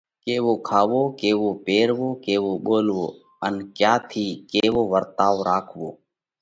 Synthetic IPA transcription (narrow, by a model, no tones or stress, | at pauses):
keːʋoːkʰaːʋoːkeːʋoːpeːɾʋoːkeːʋoːɠoːlʋoː | ənkjaːt̪ʰiːkeːʋoːʋəɾt̪aːʋɾaːkʰʋoː